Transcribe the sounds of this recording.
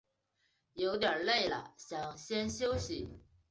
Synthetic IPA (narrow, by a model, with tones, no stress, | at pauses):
jo˧˥ʊt̪jə˨˩le˥˩ɪlə̰˩ɕjɑ˨˩ŋɕjɛ˥nɕjo˥ʊɕi˨˦